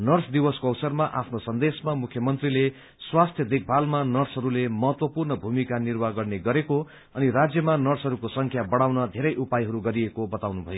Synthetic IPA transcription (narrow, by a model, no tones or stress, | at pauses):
nʌrsʰd̪iwʌskoʌwsʌrmaʔapʰnosʌnd̪esmamukʰjʌmʌnt̪rile | swast̪ʰjʌd̪ek̚ʰbʱalmanʌrsɦʌɾulemʌɦʌt̪wʌpurnʌbʱumikanirbaɡʌrneɡʌɾeko | ʌnirad͡zjʌmanʌrsɦʌɾukosʌŋkʰjabʌɽawnʌd̪ʱeɾʌjʔupajɦʌɾuɡʌɾiekobʌt̪awnubʱʌ̰jo